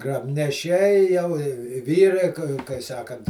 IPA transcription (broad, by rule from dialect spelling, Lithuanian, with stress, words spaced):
ɡrɐbʲnʲɛˈʃʲɛɪ jɛʊ ɪ ɪ ˈʋʲiːrɐɪ kɐɪ kɐɪ ˈsɑːkɐnt